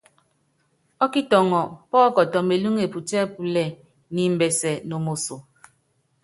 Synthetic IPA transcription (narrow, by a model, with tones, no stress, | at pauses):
ɔ˦ki˦tɔ˨ŋɔ˨pɔ˦ɔ˦kɔ˨tɔ˨me˨lu˦ŋe˨pu˨tɛ˦pu˨lɛ˦˨ | ni˨m̩˨bɛ˨sɛ˨no˨mo˨so˨